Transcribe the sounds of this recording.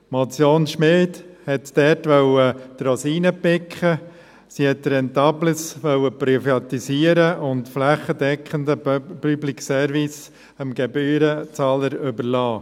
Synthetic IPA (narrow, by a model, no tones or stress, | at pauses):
mɔt͡sjoːnʃmɪldhɛtdɛːɾtʋœwət̪ɾɔsiːnəpɪkχə | sihɛtɾɛntɑbləsʋœwəpɾyfɑt̪isiəɾəʊntflæχədɛkχəndəpyblɪksɛːɾvɪs | əmɡ̥ɛbyːɾət͡sɑːləɾʏbəɾlɑː